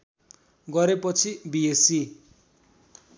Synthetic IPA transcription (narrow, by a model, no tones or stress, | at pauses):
ɡʌɾepʌt͡sʰibiesi